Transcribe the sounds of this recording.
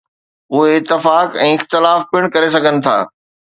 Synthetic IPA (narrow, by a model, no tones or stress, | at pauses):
ʊɦeɪt̪ːɪfaːkɛ̃ːɪxt̪ɪlaːfpɪɽ̃kɐɾes̬ɐɡʱənɪ̆t̪ʰa̰ː